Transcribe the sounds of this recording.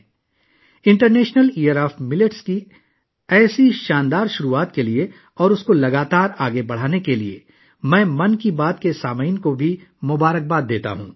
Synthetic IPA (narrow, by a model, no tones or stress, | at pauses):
ɪ̃ɳʈəɾneːʃnəliːəɾaːfmɪlɪʈski | ɛːsiʃaːnd̪aːɾʃʊɾuaːt̪kelie | ɔːɾʊskolɐɡaːt̪aːɾaːɡebɐɽ̤aːnekeliḛ | mɛ̃ːmɐnkibaːt̪kesaːməinkobʱimʊbaːɾək̚baːd̪ːeːt̪a̰ɦṵ̃ː